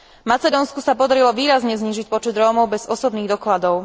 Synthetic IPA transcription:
mat͡sɛd̪ɔːnskusapɔd̪aɾilɔʋiːɾazɲɛzɲiːʒic̚pɔt͡ʃɛd̪ɾɔːmɔʊbɛz̥ɔsɔbniːɣd̪ɔklad̪ɔʊ

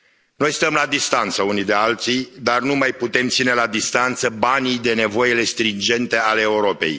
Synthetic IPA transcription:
no̞jst̪əmlad̪ist̪ant̪səunid̪e̞alt̪sijd̪arnumajput̪e̞mt̪sine̞lad̪ist̪ant̪səbanijd̪e̞ne̞vo̞jele̞st̪ɾind͡ʒe̞nt̪e̞aleːuɾo̞pe̞̰j

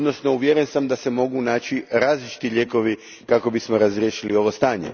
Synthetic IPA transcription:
od̪no̞sno̞uʋjeɾensamd̪ase̞mo̞ɡunaːt͡ɕiɾaːzlit͡ʃi̥t̪iʎe̞ːko̞ʋi | kako̞bismo̞ɾazɾjeːʃilio̞ʋo̞st̪aːɲḛ

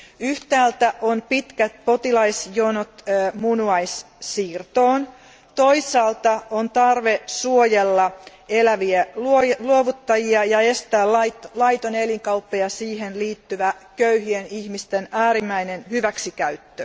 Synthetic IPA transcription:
yht̪æːlt̪æʔonpit̪kæt̪̚pot̪ilɑisjonot̪ːmunuɑis | siːrt̪oːn | t̪oisɑːlt̪ɑʔont̪ɑrʋesuojelːɑ | elæʋiæluoluoʋut̪ːɑjiɑjɑe̞st̪æːlɑit̪lɑit̪oneliŋkɑupːejɑsiːhenliːt̪ːyʋækøyhienihmist̪enæːɾimːæinenhyʋæksikæyt̪ːø

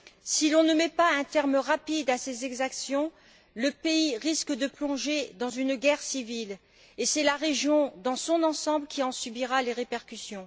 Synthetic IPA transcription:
silɔ̃nəmɛpaɛ̃t̪ɛʁmʁapid̪asezɛɡzaksjɔ̃ | ləpeiʁiskəd̪əplɔ̃ʒed̪ɑ̃zynɡʲɛʁsivil | esɛlaʁeʒjɔ̃d̪ɑ̃sɔ̃nɑ̃sɑ̃bləkʲiɑ̃sybiʁaleʁepɛʁkʲysjɔ̃

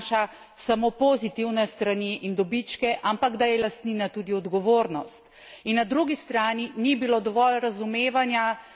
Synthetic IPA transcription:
ʃa | samoːpozit̪iwnɛst̪ɾaniʔind̪ɔbit͡ʃkɛʔampaɡd̪ajɛlast̪niːnat̪uːd̪iɔd̪ɡɔʋoːɾnɔst̪ | inːad̪ɾuɡist̪ɾaːninibiloːd̪ɔʋɔlɾazumeːʋanja

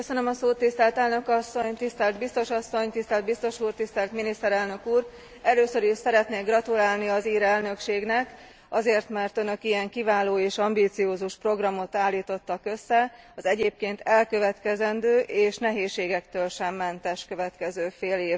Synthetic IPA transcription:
køsønømɒsoːt̪ːist̪ɛlt̪ɛlnø̞kɒsːo̞ɲt̪ist̪ɛld̪bist̪o̞ʃɒsːo̞ɲt̪ist̪ɛld̪̚bist̪o̞ʃuːrt̪ist̪ɛlt̪minist̪ɛɾɛlnø̞kuːr | ɛløːsø̞ɾiʃsɛɾɛt̪neːɡrɒt̪ulaːlniɒziːɾɛlnø̞kʃeːɡnɛk | ɒzeːrt̪mɛrt̪ønøkijɛŋkivaːloːeːʃɒmbiːt̪sijoːzuʃpro̞ɡrɒmo̞t̪aːlːiːt̪o̞t̪ːɒkø̞sːɛ | ɒzɛɟeːp̚keːnt̪ɛlkø̞vɛt̪kɛzɛnd̪øːʔeːʃnɛɦeːʃːeːɡɛkt̪øːlʃɛmːɛnt̪ɛʃkø̞vɛt̪kɛzøːfeːleː

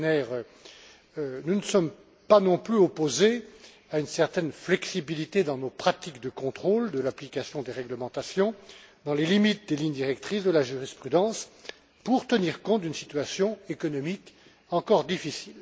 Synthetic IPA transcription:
nɛʁø | nunəsɔm | panɔ̃plyɔpoze | aynsɛʁt̪ɛnflɛksibilit̪ed̪ɑ̃nopχat̪ikd̪əkɔ̃t̪χold̪əlaplikasjɔ̃d̪eʁɛɡləmɑ̃t̪asjɔ̃d̪ɑ̃lelimit̪̚d̪eliɲd̪iʁɛkt̪χisd̪əlaʒyʁispχyd̪ɑ̃s | puʁt̪əniʁkɔ̃t̪̚d̪ynsit̪ɥasjɔ̃ekɔnɔmik | ɑ̃kɔʁd̪ifisil

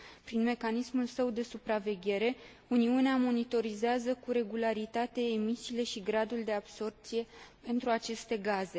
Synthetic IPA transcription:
pɾinme̞kanismulsəwd̪e̞supɾave̞ɡʲe̞ɾe̞ | uniuneamo̞nit̪o̞ɾizeazəkuɾe̞ɡulaɾit̪at̪e̞ːmisiːle̞ʃiɡɾad̪uld̪e̞ab̥so̞rp̚t̪sije̞pe̞nt̪ɾuat͡ʃe̞st̪e̞ɡaze̞

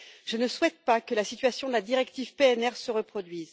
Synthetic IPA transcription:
ʒ̥ənəswɛt̪̚pakəlasit̪ɥasjɔ̃d̪əlad̪iʁɛkt̪ivpeɛnɛʁsəʁəpχɔd̪ɥiz

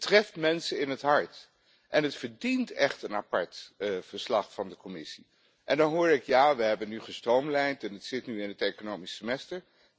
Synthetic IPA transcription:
trɛftmɛnsəɪnɦətɦɑɹt | ʔɛnɦətfəɹdintɛχtənapɑɹtvəɹslɑχfɑndəkɔmɪsi | ʔɛndɑnɦʊːɹɪkjaːʋəɦɛbənːyχəstrowmlɛjntɛnətsɪtnyɪnətejkonowmisəmɛstəɹ

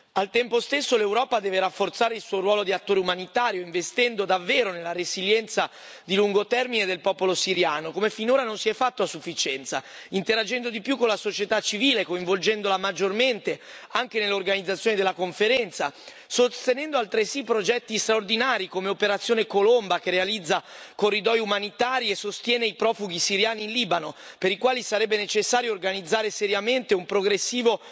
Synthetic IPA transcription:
alt̪ɛmpost̪esːolewɾɔːpad̪ɛːveɾafːort̪saːɾeilsuːoɾwɔːlod̪iat̪ːoːɾeumanit̪aːɾjoiɱvest̪ɛnd̪od̪avːeːɾonelːaɾeziljɛnt̪sa | d̪iluŋɡot̪ɛrmined̪elpɔːpolosiɾjaːnokomefinoːɾanonsiɛfːat̪ːoasːufːit͡ʃɛnt̪sa̰ | int̪eɾad͡ʒɛnd̪od̪ipjukːonlasot͡ʃet̪at͡ʃːiviːlekoĩɱvold͡ʒɛnd̪olamad͡ʒːorment̪e | aŋk̟enelːeorɡanid̪zːat̪sːjoːnid̪elakoɱfeɾɛnt̪sa̰ | sost̪enɛnd̪oalt̪ɾesipːɾod͡ʒɛt̪ːist̪ɾaord̪inaːɾikomeopeɾat̪sjoːnekolombak̟erealid̪zːakorːid̪ɔjumanit̪aːɾiesːost̪jɛːneipɾɔːfuɡisiɾjaːniːnliːbano | peɾikwaːlisaɾɛbːenet͡ʃesːaːɾjoːrɡanid̪zːaːɾeseɾjament̪eumpɾoɡɾesːiːvo

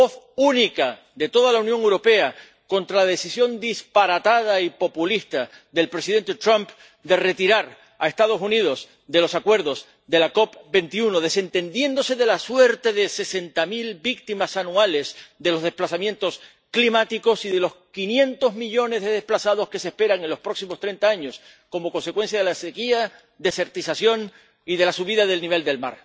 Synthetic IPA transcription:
oθ | unika | ðe̞t̪o̞ðalaunjoŋe̞wɾo̞pe̞a | ko̞nt̪ɾalaðe̞sisjo̞nd̪ispaɾat̪að̞aipo̞pulist̪a | ðe̞lpɾe̞siðe̞nt̪e̞t̪ɾãmp | d̪e̞re̞t̪iɾaɾ | a̰e̞st̪að̞o̞sunið̞o̞s | d̪e̞lo̞sakwe̞ɾðo̞z | d̪e̞lako̞pbe̞nt̪iunoð̞e̞se̞nt̪ẽ̞nd̪je̞nd̪o̞se̞ðe̞laswe̞ɾt̪e̞ðe̞se̞se̞nt̪amilbik̚t̪imasanuale̞sd̪e̞lo̞zðe̞hplasamje̞nt̪o̞s | klimat̪iko̞siðe̞lo̞skinjẽ̞nt̪o̞zmiʎo̞ne̞zðe̞ðe̞hplasaðo̞ske̞sehpe̞ɾaŋe̞nlo̞spɾo̞ksimost̪ɾe̞nt̪aaɲo̞s | ko̞mo̞ko̞nse̞kwe̞ns̬jaðe̞lasekia | ðese̞ɾt̪isasjo̞ŋ | iðe̞lasuβiðaðe̞lniβe̞ld̪e̞lma̰ɾ

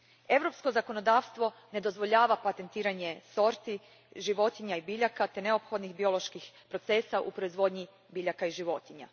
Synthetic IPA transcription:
e̞ʋɾo̞psko̞zako̞no̞d̪aːʋst̪ʋo̞ne̞d̪o̞zʋo̞ʎaːʋapat̪e̞nt̪iːɾaɲe̞so̞ɾt̪i | ʒiʋo̞t̪iɲaibiʎakat̪ene̞opxo̞d̪nixbio̞lo̞ʃkixpɾo̞t̪se̞ːsaʔṵpɾo̞izʋo̞ːd̪ɲi | biʎakaiʒiʋo̞t̪iɲa̰

